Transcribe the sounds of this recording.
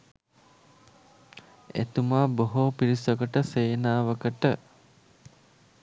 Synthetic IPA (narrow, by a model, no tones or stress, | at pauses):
ḛt̪umaːboɦoːpiɾisokəʈəseːnaːʋəkəʈə